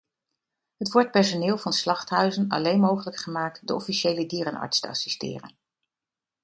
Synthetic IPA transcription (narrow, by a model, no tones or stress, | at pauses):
ɦətʋɔɹt̚pɛɹsonɪːlˠvɑnslɑχtɦœɥzənɑ̰lejnmowχələkχəmaːk̚tdəʔɔfiʃejlədiːɾənɑ̰ɹtstəɑ̰sistɪ̰ːrə̰n